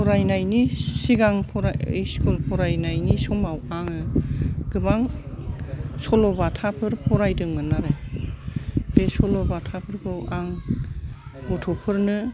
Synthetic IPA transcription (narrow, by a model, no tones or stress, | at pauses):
pʰɔɾajnajnisiɡaŋpʰɔɾa̰jskulpʰɔɾajnajnisɔmawaŋɯɡ̥ɯbaŋ | sɔlɔbatʰapʰɯɾpʰɔɾajdɯŋmanaɾɯ | b̥esɔlɔbatʰapʰɯɾkʰɯwaŋ | ɡɔtʰɔpʰɯɾnɯ